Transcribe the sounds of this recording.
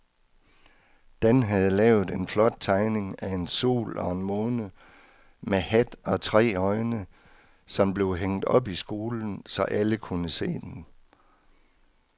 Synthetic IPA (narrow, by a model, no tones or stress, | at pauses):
d̥enɦæð̞̩ˠəlɛːʊð̩ˠe̝nflɒ̽d̥̚t͡sʰɑ̈ɪne̝ŋæe̝nso̝̰ːlɒ̽e̝nmoːnə | mehæd̥ɒ̽t͡sʰʁɛ̰ːɒ̽ɪnə | sɒ̽mb̥le̝ʊɦeŋ̰d̥ɒ̽b̥isɡ̥o̝ːln̩sɒ̽ʔæləkʰunəse̝̰ːd̥en